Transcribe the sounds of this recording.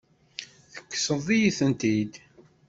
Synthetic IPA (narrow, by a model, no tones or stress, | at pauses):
θə̥kːsəðˤijiθənt̪id̪